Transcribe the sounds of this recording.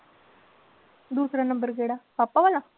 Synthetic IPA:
d̪uːsɾanɐmbəɾɡeːɽapapːaʋɐla

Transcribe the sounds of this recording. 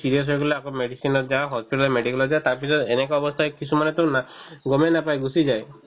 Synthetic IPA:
siɾiɔs̬ɔjkɔleakomeɽisinɔd͡ʒaɦɔspiʈlemeɖikɔlɔd͡ʒat̪aɾpisʰɔd̪enekɔɔbɔst̪ʰaekisʰumanet̪õnaɡɔmenapajɡusid͡ʒae

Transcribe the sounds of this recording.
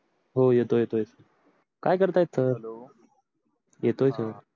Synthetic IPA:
ɦojet̪ojet̪ojsəɾ | kaːjkəɾt̪ajet̪səɾo | jet̪ojsəɾ

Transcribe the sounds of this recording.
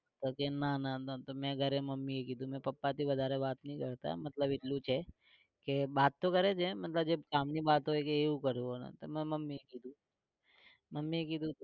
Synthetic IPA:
t̪okenanat̪t̪omɛ̃ɡʱəɾẽməmːiekid̪ʱũmɛ̃pɐpːat̪ʰiʋəd̪ʱaːɾebaːt̪nəɦĩkəɾt̪a̰mɐt̪ləbɪtlũt͡ʃʰe | kebaːt̪ːokəɾet͡ʃʰemɐt̪ləbd͡ʒebkaːmnibaːt̪ɦoːjkeeũkəɾũɦona̰t̪omɛ̃mɐmːiekid̪ʱũ | məmːiekid̪ũ

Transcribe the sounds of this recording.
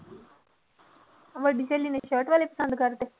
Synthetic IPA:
ʋəɖiseːlineʃəːʈʋaːlepə̥sə̃nd̪kəɾt̪eː

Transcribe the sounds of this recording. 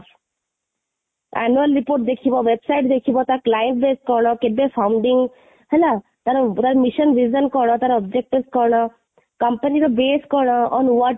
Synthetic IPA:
ɛ̰nuəlɾipoːɾʈ̚d̪ekʰibɔʋebsajʈd̪ekʰibɔt̪aklajəɳʈ̚beːskɔɾɽ̃ɔkebefʰawɳɖiŋɡ | ɦɛla | t̪aɾɔt̪aɾɔmiʃənʋizənkɔɽ̃ɔt̪aɾɔɔbd͡ʒek̚ʈiskɔɾɽ̃ɔ | kɐmpəniɾɔbeːskɔɾɽɔɔnʋɔ

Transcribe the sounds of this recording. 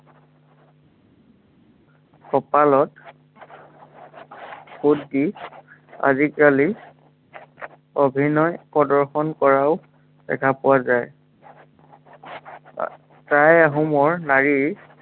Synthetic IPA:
kɔpalɔt | xudːi | a̰zikali | obʱinɔjpɔdɔɹxɔnkɔɹaʊ | d̥ɛ̰kʰapʊwazaj | tajaɦumɔɹnaɹiɹ

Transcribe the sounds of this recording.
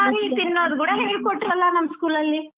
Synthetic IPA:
aːɡit̪inːoːd̪kuːɽɐɦeːɡkoʈːiɾɐlːɐnɐmːɐskuːlɐlːi

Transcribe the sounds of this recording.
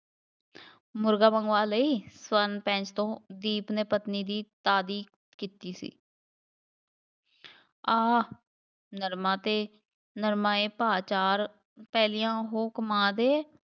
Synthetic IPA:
mʊɾɡaːbəŋɡʋaːləiːswənpɛ̃ːt͡ʃt̪õːd̪iːpneːpət̪niːd̪iːt̪aːd̪iː | kit̪iːsḭː | aː | nəɾmãːt̪eː | nəɾmãːeːpaːt͡ʃaːɾ | pɛːlijãːɦoːkəmãːd̪eː

